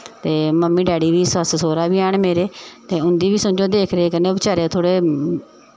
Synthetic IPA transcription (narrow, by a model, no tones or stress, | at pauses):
t̪eːməmːiːɖɛːɽiːʋiːsəst̪soːɾaːʋiːaːɳmeːɾeːt̪eːʊ̃nd̪iːʋiːsʊ̃d͡ʒoːd̪eːkʰɾeeːkəneːoːbɪt͡ʃaːɾet̪ʰoːɽeː